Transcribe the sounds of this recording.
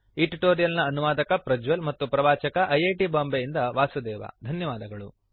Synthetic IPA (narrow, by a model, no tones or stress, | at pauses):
iʈiʈoːɾijɐlnɐːnuʋaːd̪ɐkɐpɾɐd͡ʒʋɐlmɐt̪ːupɾɐʋaːt͡ʃɐkɐʔɐjeʈibaːmbejind̪ɐʋaːsud̪ɛːʋɐ̰d̪ʱɐnjɐʋaːd̪ɐɡɐɭṵ